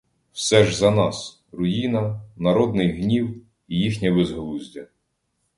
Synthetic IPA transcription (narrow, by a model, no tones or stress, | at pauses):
wsɛʒzɐnɑs | rʊjinɐnɐɾɔd̪̚nɪjɦnʲiw | ijixnʲɛbezɦlˠuzʲdʲɐ